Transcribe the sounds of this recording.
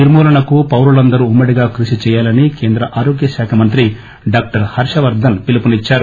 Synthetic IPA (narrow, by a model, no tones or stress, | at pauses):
niɾmuːlɐɳɐkupɐwɾulɐnd̪ɐɾuumːɐɽiɡaːkɾuʃit͡ʃɛːjaːlɐnike̞ːnd̪ɾɐʔaːɾoːɡjɐʃaːkʰɐmɐnt̪ɾi | ɖaːk̚ʈɐɾhɐɾʂɐʋɐɾd̪ʱɐnpilipunit͡ʃːaːɾu